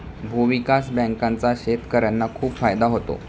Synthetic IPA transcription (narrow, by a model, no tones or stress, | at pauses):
bʱuʋikasbə̃ŋkant͡saɕet̪kəɾjanːakʰuːpfajd̪aɦot̪o̰